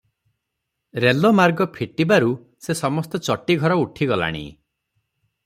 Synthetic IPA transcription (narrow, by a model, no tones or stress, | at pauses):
ɾelɔmaɾɡɔpʰiʈibaɾu | sesɔmɔst̪ɔt͡ʃɔʈiɡʱɔɾɔuʈʰiɡɔla̰ɽ̃ḭ